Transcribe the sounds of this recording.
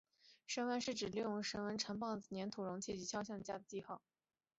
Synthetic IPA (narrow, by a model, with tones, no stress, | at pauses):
ʂə˥nwə˧˥nʂɻ̩˥˩ʈ͡ʂɻ̩˨˩li˥˩jʊ˥˩ŋʂə˧˥nwə˧˥nʈ͡ʂʰə˧˥ŋpɑ˥˩ʊ˩njɛ˧˥nt̪ʰu˨˩ɻʊ˧˥ŋt͡ɕʰjɛ˥˩t͡ɕi˧˥ɕʰjɑ˥˧ʊɕ̬jɑ˥˧ŋd̪ə˩ja̰˥˩d̪ə˩t͡ɕi˥˧xɑ˥˩ʊ